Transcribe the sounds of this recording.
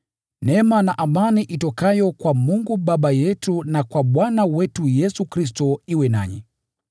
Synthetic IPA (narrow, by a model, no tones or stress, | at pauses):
nɛmanaʔamaniʔitɔkajɔkwamuŋɡuɓaɓajɛtunakwaɓwanawɛtujɛsukɾis̬tɔiwɛna̰ɲi